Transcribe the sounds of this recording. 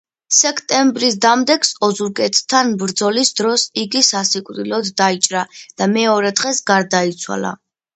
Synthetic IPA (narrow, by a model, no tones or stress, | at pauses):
sɛkʰt̪ʼɛmbɾisd̪amd̪ɛksɔzuɾkʼɛt̪ʰt̪ʰːanbɾd̪zɔlisd̪ɾɔsiɡisasikʼɾilɔd̪ːait͡ʃʼɾad̪̥amɛɔɾɛd̪ʁɛsɡaɾd̪ait̪sʰwa̰la̰